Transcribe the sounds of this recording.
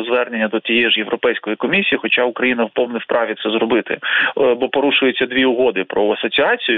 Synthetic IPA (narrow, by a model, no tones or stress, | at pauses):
zʋɛrnenʲːɐd̪ɔt̪ʲijɛiʒjeʋɾɔpɛjsʲkɔjikɔmʲisʲijixɔt͡ʃaʊkɾɐjinɐwpɔwnɛwpɾʔɑʋʲit̪sɛzɾɔbɪt̪ɪ̰bɔpɔɾuʃʊjet͡sʲːɐd̪ʲʋʲiʊɦɔd̪ɪpɾɔɐsɔt͡sʲiɑt͡sʲijʊ